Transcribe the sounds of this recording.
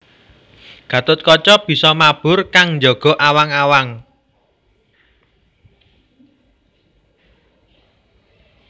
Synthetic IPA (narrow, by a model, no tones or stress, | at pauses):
ɡ̥ä̤t̪ʊt̪̚kɔt͡ʃɔb̥i̤sɔmab̥ʊrkaŋɲd͡ʒɔɡ̥ɔ̤ʔawaŋawaŋ